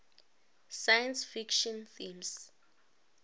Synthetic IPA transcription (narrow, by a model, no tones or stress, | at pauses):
sajãnsfikʃɔ̃nθĩms